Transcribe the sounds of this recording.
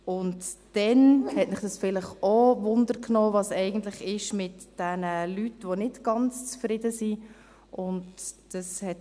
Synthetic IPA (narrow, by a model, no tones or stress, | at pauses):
ʊntd̥ɛnhɛtmɪχd̥ɑsfɪlɪχovʊndəɾknoːvɑsɛɪɡ̥ən̩tlɪχɪʃmɪtd̥ɛnəlytʋonɪtɡ̥ɑnt͡st͡sfɾɪdəsi | ʔʊntd̥ɑshɛt